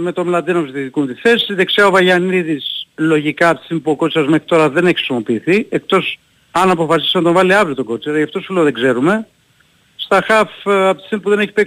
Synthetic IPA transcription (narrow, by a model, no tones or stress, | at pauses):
me̞t̪o̞mlɐnd̪inopsit̪it̪ikunt̪iθe̞siðeksiɐovɐʝɐniðislo̞ʝikɐːpt̪i̥simpuoko̞t͡sɐzme̞xɾit̪o̞ɾɐðe̞neç̥xɾisimo̞piːθiek̚t̪o̞s | ɐnɐpo̞fɐs̬isnɐt̪o̞ɱvɐliɐvɾiot̪oɡo̞t͡seɾɐjɐft̪osfileoðeɡze̞ɾume̞ | st̪ɐxɐfɐp̚t̪i̥simpuðe̞ne̞çi̥pek